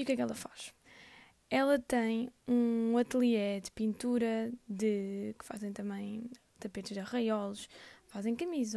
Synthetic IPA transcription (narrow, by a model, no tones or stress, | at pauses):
iukɛkɛlˠɐfaʃ | ɛlˠɐt̪ɐ̃j̃ũɐt̪lˠiɛd̪ɨpĩnt̪uɾɐd̪ɨkɨ̥fa̰zẽj̃t̪ɐmɐ̃j̃ | t̪ɐpet̪ʒðɐʁɐjɔlˠuʃfazẽj̃kɐmiz